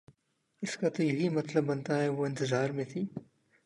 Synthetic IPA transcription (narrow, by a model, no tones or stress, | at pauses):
ɪskat̪ojɐɦimɐt̪lɐbːɐnt̪aɦɛʋoɪ̃nt̪ɪzaːɾmẽt̪ʰiː